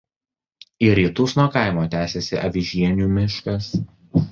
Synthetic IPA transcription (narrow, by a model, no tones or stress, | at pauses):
ɪɾʲiːt̪ʊsnuɔkɑˑɪmoːt̪ʲæːsʲesʲɪʔɐʋʲɪʒʲiɛnʲuːmʲɪʃkɐs